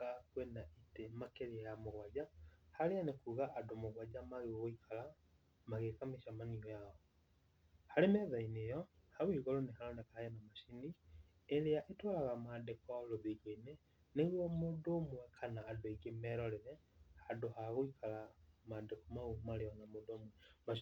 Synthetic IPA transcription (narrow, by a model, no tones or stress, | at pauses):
akwɛnaʔitemakeɾeajamoɣwad͡ʑahaɾeanekuːɣaʔadomoɣwad͡ʑamaɣeɣɣoikʰala | maɣekameʃamaniɔjaɔ | haɾemɛðainejɔhawiɣɔɾonehaɾɔnekahajanamaʃini | eɾeaʔetwalaɣamadekɔloðeɣeine | neɾwɔmodomwɛkʰanaːdoeɡemɛɾɔɾeɾɛhadohaɣoikʰalamadekɔmaumaɾeɔnamodomwɛmaʃ